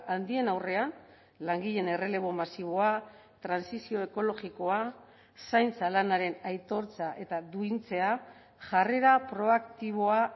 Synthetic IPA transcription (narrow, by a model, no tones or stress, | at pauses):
and̪ie̞nawre̞an | laŋɡiʎe̞ne̞re̞le̞β̞o̞masiβ̞o̞a | t̪ɾansisio̞e̞ko̞lo̞ɣiko̞a | sajnt͡salanaɾe̞najt̪o̞ɾt͡saʔe̞t̪aðuint͡se̞a | ʝare̞ɾapɾo̞akt̪iβo̞a